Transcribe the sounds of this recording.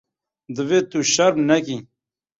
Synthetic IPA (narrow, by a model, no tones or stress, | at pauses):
d̪əvet̪uɕɐɾnɐkĩ